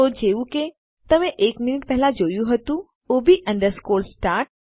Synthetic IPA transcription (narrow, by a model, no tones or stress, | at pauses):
od͡ʒeʋũke | t̪əmẽʔekminiʈ̚pɛɦɛlad͡ʒojũɦət̪ũ | obʱiʔə̃ɳɖəɾskolsʈaɾ